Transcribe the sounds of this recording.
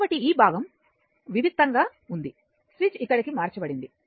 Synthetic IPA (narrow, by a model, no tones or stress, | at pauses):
bɐʈiiːbʱaːɡɐm | ʋid̪ʱikt̪ːɐŋɡaː | und̪i | sʋit͡ʃikːɐɽikimaːɾt͡ʃɐbɐɽind̪i